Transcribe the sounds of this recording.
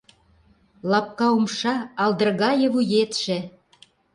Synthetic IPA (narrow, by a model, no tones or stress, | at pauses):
lɑp̚kɑumʃɑɑld̪ə̆rɣɑjɤ̆βujet̪ʃĕ